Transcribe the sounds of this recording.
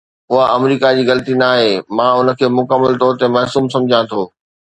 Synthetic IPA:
ʊɦaʔɐmɾiːkad͡ʑiːɣɐlt̪inaːɦeːmãːʊnə̆kʰeːmʊkəmːəlt̪ɔːɾt̪emɛɦsuːmsɐ̃md͡ʑʱãt̪ʰoː

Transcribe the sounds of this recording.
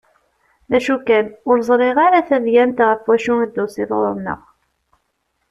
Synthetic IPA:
ðæʃukænʊɾzˤɾˤɪʁaɾaθæðjænt̪ʁəfwæʃuŋid̪ːʊsiðo̰ɾˤənə̰ʁ

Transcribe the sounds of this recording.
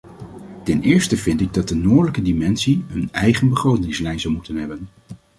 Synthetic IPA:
tɛnɪːɹstəvɪntɪɡ̚dɑt̚dənoːdələkədimɛnsiɦənɛjχənbəχrowtɪŋslɛjnzɑlˠmutənɦɛbən

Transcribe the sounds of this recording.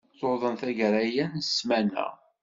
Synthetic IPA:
θoðˤənθæʝɾæjænəsmænæ̰

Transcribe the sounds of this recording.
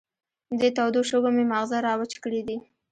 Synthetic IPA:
d̪ət̪awd̪oʃəɡomemaɣzaɾɑwət͡ʃkəɽid̪i

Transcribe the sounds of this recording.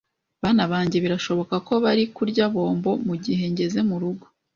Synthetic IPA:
βaːnaβaːɲɟe̞βiɾaʃo̞βo̞kako̞βaɾikuɾɟaβo̞ːmbo̞muɟiɦe̞ɲɟe̞ze̞muɾuɡo̞

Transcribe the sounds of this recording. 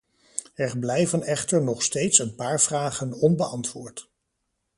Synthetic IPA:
ɛɹblɛjvənɛχtəɹnɔχstejtsənpaːɹv̥raːχənɔnbəʔɑntʋʊːɹt

